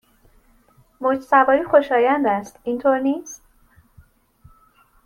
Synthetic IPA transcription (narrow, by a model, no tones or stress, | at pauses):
mod͡ʒsævɒːɾiːxo̞ʃɒːjænd̪æst̪int̪ʰoːɾniːst̪